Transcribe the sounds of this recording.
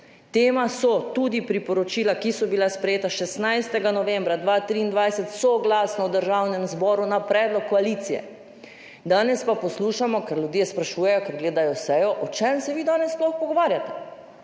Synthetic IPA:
t̪eːmasɔt̪uːd̪ipɾipɔɾɔt͡ʃiːlakisɔbilaspɾɛjeːt̪aʃɛsnajst̪ɛɡanɔʋɛmbɾad̪ʋaːt̪ɾiːnd̪ʋajsɛt̪sɔɡlaːsnɔwd̪əɾʒawnɛmzbɔɾunapɾɛːd̪lɔkːɔaliːt̪sijɛ̰ | d̪aːnɛspapɔsluːʃamɔkɛɾljud̪jespɾaʃuːjɛjɔkɛɾɡleːd̪ajɔsɛjɔʔɔt͡ʃɛmsɛʋid̪aːnɛsplɔxpɔɡɔʋaːɾjat̪ɛ̥

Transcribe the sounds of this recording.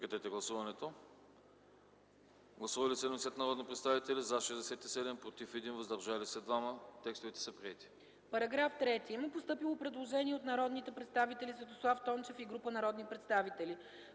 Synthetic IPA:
kɐt̪ɛt̪ɛɡlˠɐsuvɐnɛt̪o | ɡlˠɐsuvɐlisɛnoslɛt̪nɐɾɔd̪nipɾɛt̪st̪avit̪ɛlizaʃɛzd̪ɛsɛt̪isɛd̪ɛmpɾot̪ifɛd̪invəzd̪ɐɾʒalisɛd̪vamət̪ɛkst̪ʊvit̪ɛ̥sɐpɾiɛt̪i̥ | pɐɾɐɡɾaft̪ɾɛt̪imɛpost̪ɤpilˠopɾɛd̪lˠoʒɛniɛot̪nɐɾɔd̪nit̪ɛpɾɛt̪st̪avit̪ɛlʲisvɛt̪oslˠaft̪ɔnt͡ʃɛfiɡɾupənɐɾɔd̪nipɾɛt̪st̪avit̪ɛli

